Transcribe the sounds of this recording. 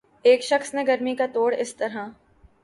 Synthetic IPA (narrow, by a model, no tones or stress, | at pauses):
eːkʃɐxsnẽɡɐɾmikat̪oːɽɪst̪ɐɾɦã